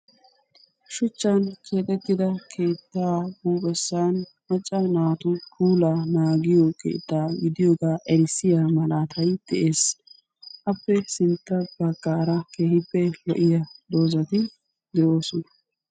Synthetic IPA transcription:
ʃʊt͡ʃːɐnkʰe̞ːt̪ʼɛt̪ːɪd̪ɐkʰe̞ːt̪ːaːbuːbɛsːaːn | mɐt͡ʃʼːɐnaːt̪ʊkʰuːlaːnaːɡɪjɔkʰḛːt̪ːaːɡɪd̪ɪjoːɡaːʔɛɾɪsːɪjaːmɐlaːt̪ʰɐjd̪̥ɛʔeːs | ʔɐpːɛsɪnt̪ːɐbɐɡʼːaːɾɐkeːhɪpːɛlɔ̰ʔɪjad̪o̞ːzɐt̪ɪ | d̪ɛʔo̞ːsɔnɐ

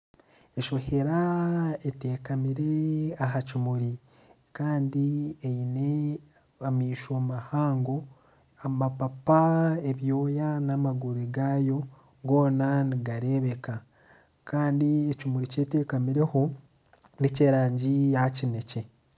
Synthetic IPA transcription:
e̞ʃo̞he̞ɾaeteːkamiɾe̞aɦacimuɾi | kaːndieine̞ | amiːʃomahaːŋɡo̞ | amapapaeβjo̞ːjanamaɡuɾiɡaːjo̞ | ɡo̞ːnaniɡaɾe̞ːβe̞ka | kaːndiecimuɾiceːteːkamiɾe̞ho̞ | niceːɾaːɲɟijahacine̞ce̞

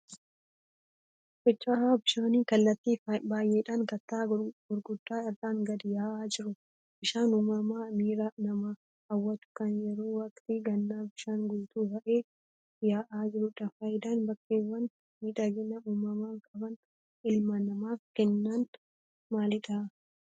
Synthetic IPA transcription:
fɛt͡ʃːaːaːbɪʃaːniːkɐlːɐt̪ːiːbaːjːeːɪᶑɐnkɐt̪ːaːɡ̥ʊɾɡʊd̪ːaːɪrːaːŋɡɐd̪ɪjaːʔaːd͡ʒɪɾʊ | bɪʃaːnuːmɐmaːmiːɾanɐma | hɐwːɐt̪ʊ̥kɐnjɛɾo̞ːwɐkt̪iɡɐnːaːbɪʃaːnɡʊlt̪uːbɐʔeː | jaːʔaːd͡ʒɪɾʊᶑɐfaːjɪd̪aːnbɐkːeːwːɐn | miːᶑɐɡɪnɐuːmɐmaːkʼɐbɐn | ɪlmɐnɐmaːfkɛnːan | maːlɪᶑa

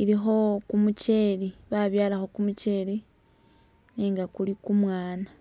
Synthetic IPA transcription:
iɾixo̞kumuce̞liβaβjaːlaxo̞kumut͡ʃe̞li | niːŋɡakulikumwaːna

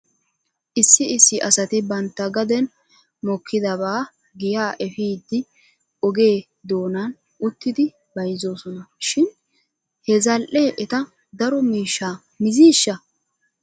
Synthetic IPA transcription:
ʔɪsːɪɪsːɪʔɐsɐt̪ɪbɐnt̪ːɐɡɐd̪ɛn | mɔkʰːɪd̪ɐβaː | ɡɪjaːʔɛfiːd̪ːɪ | ɔɡe̞ː | d̪o̞ːnan | ʔʊt̪ːɪd̪ɪ | bɐjzo̞ːsɔnɐʃɪn | hɛzɐlʔeːʔɛt̪ɐ | d̪ɐɾɔmiːʃːaː | mɪziːʃːɐ

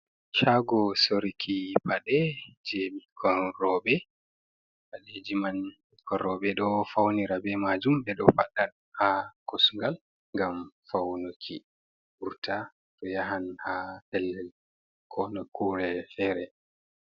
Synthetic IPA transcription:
ʃaɡɔsoɾikʰipaɗɛd͡ʒemikʰɔrɔɓɛ | baɗɛd͡ʒiman | kʰɔɾɔɓɛɗɔfawniɾabɛmad͡ʒumbɛɗɔfaɗan | hakosuŋɡal | ŋɡamfawnokʰi | ʔuɾta | tɔjaɦanhatɛlːɛl | kʰɔnɔkuɾɛfɛɾɛ

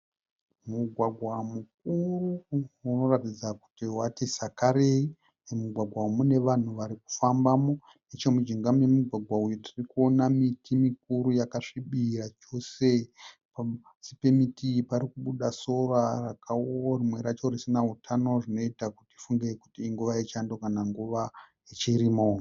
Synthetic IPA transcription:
muɡʱwaɡʱwamuk̚uruːno̞ratid͡zaku̥tiwatisakaɾei | nemuɡʱwaɡʱwamune̞ʋan̤uʋaɾiku̥fambamo̞ | net͡ʃomud͡ʒiŋɡamujemuɡʱwaɡʱwaujotirikuo̞namitʰimik̚uɾujakaʂiɓirat͡ʃo̞se̞ | pa | si̥pe̞mitʰipaɾikuɓuɗaso̞rarakaworimwe̞ɾat͡ʃo̞risinaɦutʰano̞ʐino̞itakutiifuŋɡekutiːŋɡuʋait͡ʃandokanaŋɡuʋa | it͡ʃiɾimo

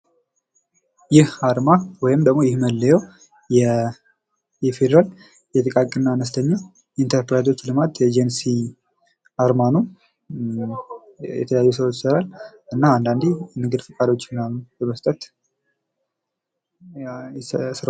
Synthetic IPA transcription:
jɪhaɾmawɔjɪmd̪əɡmo̞jɪhməlːəjɛw | jɛ | jɛfed̪ɾal | jɛt̪ʼɨkʼakʼɨnːanəst̪ʰəɲːa | int̪ʰəɾpɾad̪o̞t͡ʃːlɨmat̪jɛd͡ʒensi | aɾmanum | jɛ̰t̪ʰələjajːusəwot͡ʃːsəɾal | ɨnːaand̪and̪imɨɡɨd̪fɨkʼad̪o̞t͡ʃːɪnːabəməst̪ʼət̪ | sɨɾ

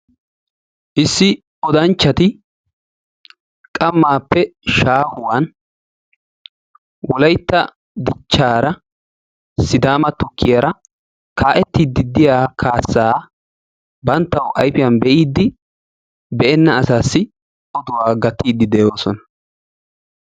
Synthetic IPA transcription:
ʔɪsːɪ | ɔd̪ɐnt͡ʃːɐt̪ɪ | kʼɐmːaːpːɛʃaːhʊwan | wɔlɐjt̪ːɐ | d̪ɪt͡ʃːaːɾɐ | sɪd̪aːmɐt̪ʊkʰːɪjɐɾɐ | kʰaːʔɛt̪ːiːd̪ːɪd̪ːɪjaːkʰaːsːaː | bɐnt̪ːɐwʔɐ̰jfɪjɐnbɛʔiːd̪ːɪ | bɛʔɛnːɐːsaːsːɪ | ʔɔd̪ʊwaːɡɐt̪ːiːd̪ːɪd̪ɛjo̞ːsɔnɐ̥

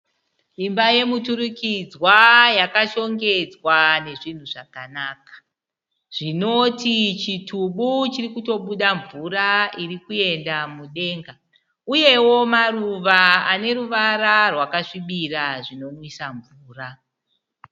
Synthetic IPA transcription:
imbaje̞mutuɾukid͡zwajakaʃo̞ŋɡe̞d͡zwane̞ʐin̤uʐakanakḁ | ʐ̥ino̞tit͡ʃitʰuɓut͡ʃirikuto̞ɓuɗaɱvuɾairikue̞ndamuɗe̞ːŋɡa | uje̞wo̞maruʋaane̞ɾuʋaɾarwakaʂiɓiraʐino̞mwisaɱvuːra

